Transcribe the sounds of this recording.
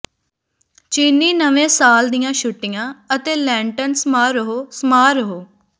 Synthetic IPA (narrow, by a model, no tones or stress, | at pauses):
t͡ʃiːniːnəʋẽːsaːld̪ɪjãːʃʊʈːɪjãːət̪eːlɛ̃ːɳʈənsmaːɾəɦoːsəmaːɾəɦoː